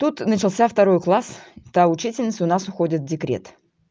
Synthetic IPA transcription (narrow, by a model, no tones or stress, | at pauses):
t̪ut̪nət͡ɕɪlˠsʲaft̪ɐɾo̞jklˠast̪aʊt͡ɕitʲɪlʲnʲɪt̪sʊnasʊxodʲɪt̪vdʲɪkɾʲḛt̪